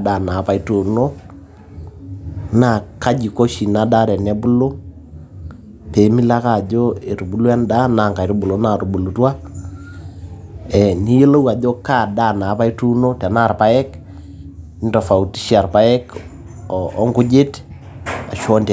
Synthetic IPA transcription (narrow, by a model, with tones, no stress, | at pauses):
da˨na˨˦pa˨i˦tu˨no˦ | na˨ka˦d͡ʒi˨ko˦ʃi˨na˦da˦ɾɛ˨nɛ˦bu˦lo˦ | pe˨mi˦la˦ka˨d͡ʒo˦e˨ɾu˨bu˦lwɛ˦nda˦na˨ŋka˨i˨ɾu˦bu˨lo˦na˨ɾu˨bu˨lu˨˦twa˦ | ɛ˨ni˦je˦lo˦wa˨d͡ʒo˦ka˦˨da˦˨na˨˦pa˦i˦tu˦no˦tɛ˨na˦˨rpa˦ɛ˦k | ntɔ˨fa˨u˨ti̥˦ʃi˦a˨ɾpa˦ɛ˦k | ɔ˦ŋɡu˦d͡ʒe˦t | a˨ʃɔ˦nt